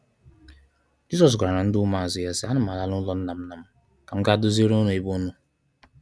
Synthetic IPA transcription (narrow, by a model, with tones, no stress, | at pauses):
d͡ʒi˦sɔ˨s̬ɡʷa˨ɾa˨ɾa˨n̩˦dʊ˦ma˨a˨zɪ˨ja˦sɪ˦a˦nʊ˦m˨a˨la˦lʊ˦lɔ˦n̩˦na˨m̩˦na˨m̩˦ | ka˨m̩˦ka˦dʊ˦ze˦ɾo˦no˨e˦bo˦nu˦